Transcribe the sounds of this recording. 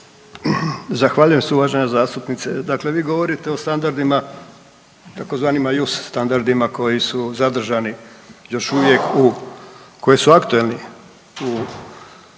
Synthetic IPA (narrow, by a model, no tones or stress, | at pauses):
zaxʋaːʎuje̞msuʋaːʒeɲazaːst̪upnit̪sed̪akle̞ʋiːɡo̞ʋo̞ɾit̪e̞ost̪and̪aɾd̪ima | t̪ako̞zʋaːnimajusst̪and̪aɾd̪imako̞jisuzad̪r̩ʒanijo̞ʃuʋje̞ku | ko̞jisuakt̪ue̞lni | u